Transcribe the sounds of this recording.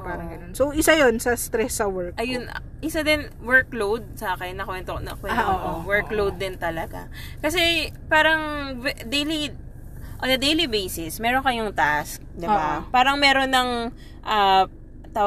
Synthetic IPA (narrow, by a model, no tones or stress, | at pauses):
paːɾɐŋɡɐnonsoʔɪsajonsɐst̪ɾɛsːɐwɛɹkʔɐjʊn̰ | ʔɪsad̪ɪn | wɛɹklowd̪̚sɐakɛjnɐkwɛnt̪onɐ̰kwɛnoowɛɹklowd̪̚ːɪnt̪ɐlɐɡa̰ | kɐsɛpaːɾɐŋɛd̪ejli | ʔond̪ɐd̪ejlibejsɪsmɛːɾonkɐjʊŋt̪ask̚d̪ɪbapaːɾɐŋmɛːɾo̞nɐŋ | ʔɐ | t̪a